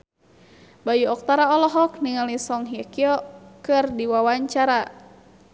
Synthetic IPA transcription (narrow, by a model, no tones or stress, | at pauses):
bajuɔk̚t̪aɾaɔlɔɦɔk̚niŋalisɔŋɦiakiɔkɨrdiwawaɲt͡ʃaɾa